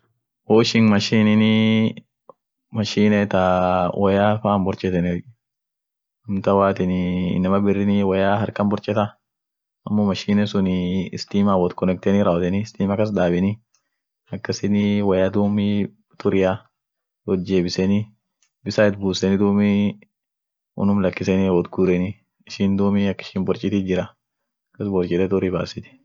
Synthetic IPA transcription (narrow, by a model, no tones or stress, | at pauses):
woːɪʃɪnmɐʃiːnɪnɪ | mɐʃiːnɛt̪awʔɐjaːfambɔɾt͡ʃʼɛt̪ɛnɪɔ | ɐmt̪ɐwaːt̪ɪnɪɪ̰nːɐmɐbɪrːɪnɪwɐjaːɦɐɾkɐmbɔɾt͡ʃʼɛt̪ɐ | ɐmːomɐʃiːnɛsʊnɪɪst̪iːmaːwɔt̪kɔnɛk̚t̪ɛnɪɾɐɔt̪ɛnɪst̪iːmɐkːɐs̬d̪aːbɪnɪ | ɐkːɐsɪnɪwɐjaːd̪uːmɪ | t̪ʊɾɪja | wɔt̪̚d͡ʒeːbɪsɛnɪ | bɪsaːɪt̪̚buːsɛnɪd̪uːmɪ | ʊ̰nʊmlɐkːɪsɛniwɔd̪ɡuɾɛnɪ | ɪʃɪnd̪uːmɪɐkːɪ̥ʃɪmbɔɾt͡ʃʼɪt̪ɪd͡ʒɪɾɐ | kːɐsbɔɾt͡ʃʼɛt̪ɛt̪ʊɾiːbaːsɪt̪ɪ̥